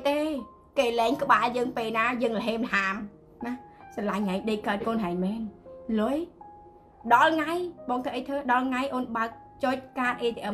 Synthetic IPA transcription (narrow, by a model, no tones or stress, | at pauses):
t̪eː | keːlɛːŋkə̆ɓaːljəːŋpeːlnaːjəːŋləɦeːmləɦaːm | nahsɑlaŋhaɛɲɗəkaət̪̚koːnɦaɛɲmɛːnlʊəj | ɗɑlŋajɓɑːŋt̪ʰəʔəjt̪ʰəːɗɑlŋajʔoːnɓaək̚ | t͡ɕoc̚kaːt̪ʔeːt̪ʰeʔə